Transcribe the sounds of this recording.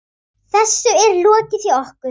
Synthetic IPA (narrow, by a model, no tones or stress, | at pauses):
θɛsːʏɛɾlɔːcɪθiɔhkʏ